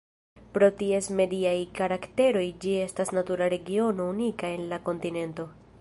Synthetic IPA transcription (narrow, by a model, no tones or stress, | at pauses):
pɾo̞tie̞sme̞diajkaɾakte̞ɾo̞jd͡ʒie̞stasnatuɾaɾe̞ɡio̞no̞unikae̞nlako̞ntine̞nto̞